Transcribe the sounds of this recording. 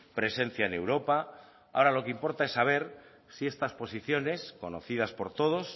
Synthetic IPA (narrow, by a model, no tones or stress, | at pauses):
pɾe̞se̞n̟θjaene̞wɾo̞pa | a̰o̞ɾalo̞keimpo̞ɾt̪aesːaβ̞e̞ɾ | siest̪aspo̞siθjo̞ne̞sko̞noθið̞aspo̞ɾt̪o̞ð̞o̞s